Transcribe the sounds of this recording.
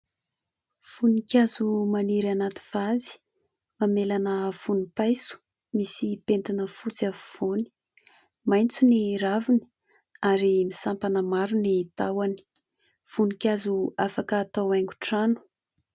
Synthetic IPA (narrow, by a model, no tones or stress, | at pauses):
funikʲazumaniɾanat̪i̥v̥azi̥ | mamelanəv̥unipajsu̥ | misipent̪inəfut͡siavuv̥oni̥ | majnt͡suniɾavini̥ | aɾimisampanəmaɾunit̪awani̥ | v̥unikʲazuafakəːt̪awajŋɡuʈ͡ʂanu̥